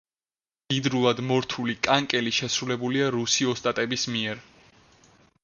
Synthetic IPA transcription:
ɡ̥id̪ɾulˠad̪mɔɾt̪ʰulikʼaŋkʼɛliʃɛsɾulɛbuliaɾusiɔst̪ʼat̪ʼɛbismiɛɾ

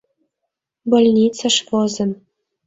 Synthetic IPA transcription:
bolʲnʲit͡sɑ̆ʃvɤzɤ̆m

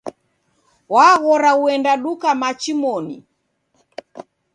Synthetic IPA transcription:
waɣɔɾauɛndaɗukamat͡ʃimɔnḭ

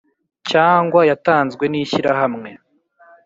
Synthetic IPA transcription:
caːŋɡwajataːnzɡwe̞niçiɾaɦamŋe̞

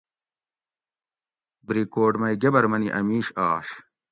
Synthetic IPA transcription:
bɾiːkoːɖmɐjɡɐbɐɾmɐniʔɐ̰miːɕaːɕ

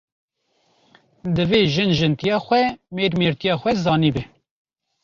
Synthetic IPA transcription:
d̪ɨveːʒɨnʒɨnt̪ijɑːxʷɛmeːɾmeːɾt̪ijɑːxʷɛzɑːniːbɛ

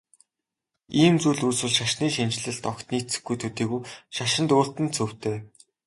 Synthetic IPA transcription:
iːmt͡suːɮuːswɘ̆ɮʃaʃniːʃint͡ɕɮɘ̆ɮt̪ɔkt̪niːt͡sɘ̆ɡujt̪ʰɵt̪iːɣuːʃaʃɪ̆nt̪ʊːɬt̪ɘ̆nt͡sʰɵw̥t̪eː

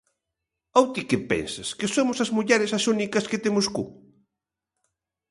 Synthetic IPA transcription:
awt̪ikɪpɛ̰nsɐskɪsomʊsɐzmuʎɛɾɪsɐsunikɐskɪt̪emʊskṵ

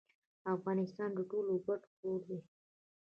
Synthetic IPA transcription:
afɣɑnɪst̪ɑnd̪əʈoloɡaʈpoɾd̪e

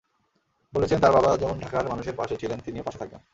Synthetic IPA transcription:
bolet͡ɕʰent̪aɾbabad͡ʑɛmonɖʱakaɾmanuʃeɾpa̰ʃet͡ɕʰilent̪iniopaʃet̪ʰakḛn

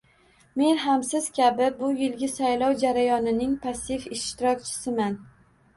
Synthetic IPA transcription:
me̞nɦamsɪz̥kʲʰabɪbʊjɪlɡʲɪsajlˠɒwd͡ʒaɾajɒnɪnɪŋpʰasɪfɪʃt̪ɪɾɒk̚ʲt͡ʃʰɪ̥sɪman

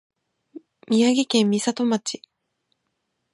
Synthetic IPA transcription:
mʲiaɡʲikẽ̞mːʲisat̪o̞mat͡ɕi̥

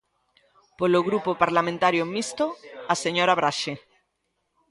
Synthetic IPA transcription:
poloɣɾupopaɾlamẽnt̪aɾjomist̪oaseɲoɾaβɾaʃe

